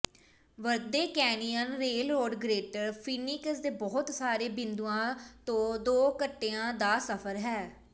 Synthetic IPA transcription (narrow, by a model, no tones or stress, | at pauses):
ʋəɾd̪eːkɛːniənɾeːlɾoːɖɡɾeːʈəɾpʰiːnikəsd̪eːbɔːt̪saːɾeːbɪ̃nd̪uːãːt̪õːd̪oːkəʈːeːãːd̪aːsəpʰəɾɦɛː